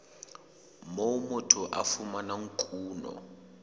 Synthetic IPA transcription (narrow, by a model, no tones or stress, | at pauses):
momʊtʰɔʔafumanaŋ̩kʼuːnɔ̰